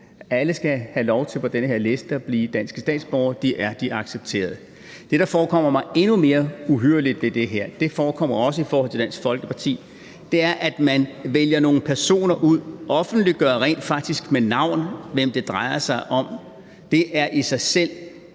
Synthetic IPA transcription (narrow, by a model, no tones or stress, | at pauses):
æləsɡ̥æhælɒʊt͡sʰe̝lpʰɒ̽d̥enəɦe̝ɐ̰le̝sd̥əæb̥liːd̥æn̰sɡ̥ə̥sd̥ɛ̰ːd̥sb̥ɒːʊɐd̥iʔæɐd̥iʔɑ̈ɡ̥seb̥̚t͡sʰe̝̰ːɐð̞̩ˠə | d̥e̝ɾ̥ɑ̈fɒːkʰɒ̽m̰ɐmɑ̈ɪe̝nume̝ːɐuɦøɐlid̥ʋe̝d̥e̝ɦeɐ̰d̥e̝fɒːkʰɒ̽m̰ɐɒ̽s̬əifɒːhɒ̽l̰t͡sʰe̝d̥æn̰sɡ̥fɒ̽lɡ̥əpʰɑ̈t͡sʰḭː | d̥e̝æɐʔæd̥mænʋeljɐno̝ːn̩pʰæɐso̝̰ːnɐʔuð̰ˠʔɒ̽fn̩d̥li̥ɡ̥ɶɐʁɛ̰ːnd̥fɑ̈ɡ̥̚d̥isɡ̥menɑ̈ʊ̰nʋem̰d̥e̝d̥ʁɑ̈ɪɐsɑ̈ɪʔɒ̽m | d̥e̝ʔæɐʔisɑ̈ɪsel̰